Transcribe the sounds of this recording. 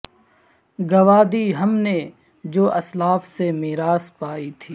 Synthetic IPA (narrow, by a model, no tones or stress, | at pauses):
ɡɐʋaːd̪iɦɐmne | d͡ʒoːʔɐslaːfsemɪɦɾaːspaːit̪ʰiː